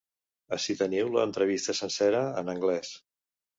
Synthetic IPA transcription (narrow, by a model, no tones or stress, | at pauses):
əsit̪əniwlə̰ːnt̪ɾəβ̞ist̪əsənsɛɾəənəŋɡlɛs